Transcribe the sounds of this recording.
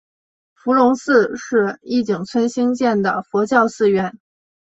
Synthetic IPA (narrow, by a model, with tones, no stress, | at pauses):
fu˧˥lʊ˧˥ŋsɹ̩˥˧ʂɻ̩˥˧i˥˩t͡ɕi˨˩ŋt͡sʰwə˥nɕi˥ŋt͡ɕjɛ˥˩nd̪ə˩fwɔ˧˥t͡ɕjɑ˥˧ʊsɹ̩˥˧ɥɛ˥˩n